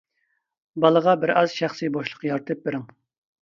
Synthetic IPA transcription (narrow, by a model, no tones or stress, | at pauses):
bɑlˠəʁɑbɪɾɑzʃæχsɨboʃlˠə̥qjɑɾt̪ʰɨp̚beɾɪŋ